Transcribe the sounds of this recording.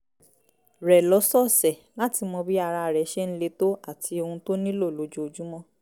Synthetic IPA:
ɾɛ˨lɔ˨˦sɔ˦˨sɛ˨la˦ti˧mɔ̃˧bi˦a˧ɾa˧˨ɾɛ˨˦ʃɛ˦ñ̩˦le˧to˦a˦˨tʰi˧o˧hũ˧to˦nĩ˦lo˦˨lo˨˦d͡ʒo˦o˧d͡ʒu˦mɔ̃˦

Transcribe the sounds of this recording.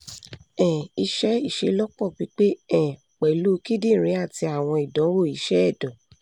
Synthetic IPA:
ɛ̃˨i˧ʃɛ˦i˦˨ʃe˧˦lɔ˦k͡pɔ˦˨ɡ͡bi˨˦k͡pe˦ɛ̃˦˨ | k͡pɛ˨lu˦ki˦dĩ˦˨ɾ̃ĩ˨˦a˦˨ti˧a˦˨w̃ɔ̃˧i˨dɔ̃˨˦wo˦˨i˨˦ʃɛ˦ɛ˦˨dɔ̃˨

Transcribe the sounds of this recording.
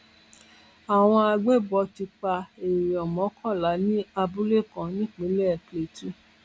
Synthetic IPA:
a˨w̃ɔ̃˧a˧ɡ͡be˦˨bɔ˧ti˧k͡pa˧e˨ɔ˨mɔ̃˨˦kʰɔ˦˨la˨˦nĩ˦a˧bu˦le˦˨kɔ̃˨˦nĩ˦k͡pĩ˨˦lɛ˦˨kle˨tu˦

